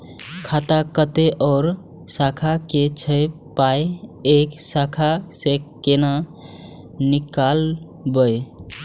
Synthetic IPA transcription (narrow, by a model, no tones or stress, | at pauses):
kʰat̪akət̪eʔɔʊɾ | sakʰaket͡ʃʰəj | pajeksakʰasekːena | nikal | bəj